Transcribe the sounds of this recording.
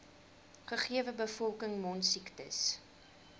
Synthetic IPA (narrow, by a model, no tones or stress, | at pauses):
χəχiəvəbəfɔlˠkəŋmɔnsiktəs